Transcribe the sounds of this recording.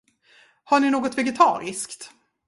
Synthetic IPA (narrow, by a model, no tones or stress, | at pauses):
haɳɪnoːɡɔt̪vɛɡɛt̪ʰɑ̰ːɾɪskt̪